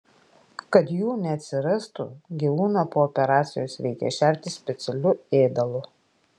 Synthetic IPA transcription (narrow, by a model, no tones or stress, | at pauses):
kɐt̪juːnʲɛɐt̪ʲsʲɪɾɐst̪ṵɡʲiʋuːnɑpoːɔpʲɛɾɑːt̪sʲɪjoːsʋʲɛɪkʲɛ̰ʃʲæˑɾʲt̪ʲɪsʲpʲɛt̪sʲɛlʲʊeːd̪ɐlˠʊ